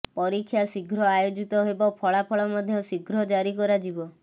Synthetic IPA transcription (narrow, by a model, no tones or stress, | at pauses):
pɔɾikʰːjasiɡʱɾɔajod͡ʒit̪ɔɦebɔpʰɔɭapʰɔɭɔmɔd̪ʱjɔsiɡʱɾɔd͡ʒaɾikɔɾad͡ʒibɔ